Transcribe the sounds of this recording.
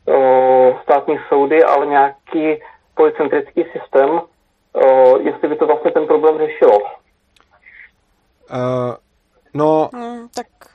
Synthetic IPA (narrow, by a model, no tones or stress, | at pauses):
st̪aːt̪ɲiːso̞wdɪʔa̰lɛɲɛaːkiː | polɪt͡sɛnt̪ɾɪt͡skiːsɪst̪ɛːm | jɛst̪lɪbɪt̪ovlast̪ɲɛt̪ɛnpɾo̞blɛːmr̝ɛʃɪlo | not̪ak